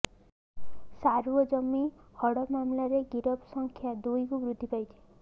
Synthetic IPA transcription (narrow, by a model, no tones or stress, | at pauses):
saɾuwɔd͡ʒɔmihɔɽɔmamlaɾeɡiɾɔbsɔŋkʰjad̪ujkubɾud̪ʱːipajtʰi̥